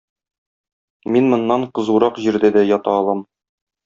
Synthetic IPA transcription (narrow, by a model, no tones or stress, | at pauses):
minmŏnːɑɴqɤ̆zuɾɑqʑiɾd̪æd̪æjɒt̪ɑːlˠɑm